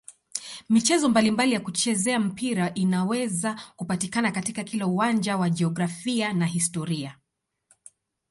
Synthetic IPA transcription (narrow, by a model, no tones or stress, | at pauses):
mit͡ʃɛzɔmbalimbalijakut͡ʃɛzɛam̩piɾaʔinawɛzakupatikanakatikakilauwand͡ʒawaʄɛɔɡɾafianaɦistɔɾia